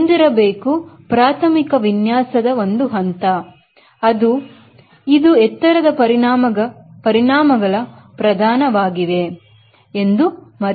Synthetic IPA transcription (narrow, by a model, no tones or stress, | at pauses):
nd̪iɾɐbeːkupɾaːt̪ʰɐmikɐʋinjaːsɐd̪ɐo̞nd̪uɦɐnt̪ɐ | ɐd̪u | id̪uɛt̪ːɐɾɐd̪ɐpɐɾiːɐɐpɐɾiɳaːmɐɡɐɭɐ | pɾɐd̪ʱaːnɐʋaːɡiʋe̞ | end̪umɐɾ